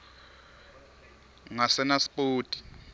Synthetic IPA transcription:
ŋasɛnaspʼoːtʼi̥

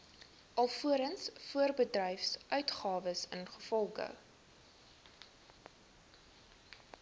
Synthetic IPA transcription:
ʔɐlˠfuəɾənsfuərbədrɛjfsʔœɥtχɑːvəsənχəfɔlˠχə̰

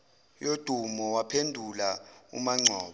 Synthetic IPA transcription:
jod̥ʱumɔwapʰendʱulaṵmaŋ͡ǀʱɔːɓa

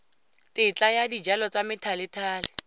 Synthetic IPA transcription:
tɪt͡ɬajadid͡ʒalɔt͡samɪtʰalɪtʰaːlɪ

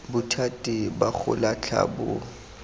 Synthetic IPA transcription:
bʊtʰatʼibak͡xʰʊ̰lat͡ɬʰa̰bʊ

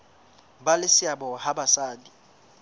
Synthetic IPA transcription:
balɪsɪabɔhabasaːdi

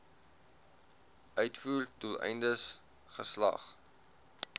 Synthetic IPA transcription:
ʔœɥtfuːrtulɛ̰jndəs | χəslɐ̰χ

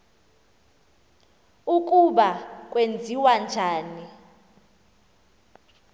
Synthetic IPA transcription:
uk̬ʼuɓakʼwend͡zʱiwand͡ʒʱaːni

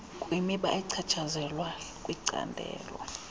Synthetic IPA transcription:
kʼwimiɓaʔɛǀʰat͡ʃʰazɛlwakʼwiǀa̰ndʱɛ̰ːlɔ̰

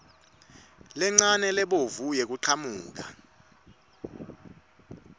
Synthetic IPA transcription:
lɛŋ͡ǀanɛlɛɓovujek̬uǀʰamuːk̬a

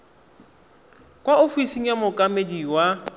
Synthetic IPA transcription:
kʼwaofisiŋ̩jamʊkʼamediwa

